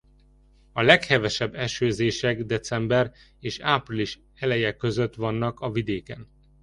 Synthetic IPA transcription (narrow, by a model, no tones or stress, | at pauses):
ɒlɛkhɛvɛʃɛbːɛʃøːzeːʃɛɡd̪ɛt̪sɛmbɛr | eːʃaːpriliʃ | hɛlɛjɛkːø̞zøt̪ʋɒnːɒkɒvid̪eːkɛn